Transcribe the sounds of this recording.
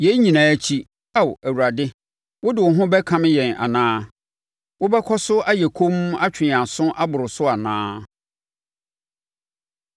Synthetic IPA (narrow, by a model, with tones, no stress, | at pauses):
je˦ɲĩ˨nãː˨æ˦t͡ɕʰi˦ | a˦wæ˨wu˨ɾa˨dɪ˦ | wʊ˦dɪ˨wʊ˨ɦʊ̃˦bɛ˦kʰã˦mɪ̃˦jɛ̃˨na̰˨nãː˦ | wʊ˦bɛ˦kʰɔ˦sʊ˦ʔa˦jɛ˨kʰõ˦m˦a˦t͡ɕʰᶣɪ˨a˨sʊ̃˦ʔa˦bʊ˨ɾʊ˨sʊ˦a˨nã̰ː˦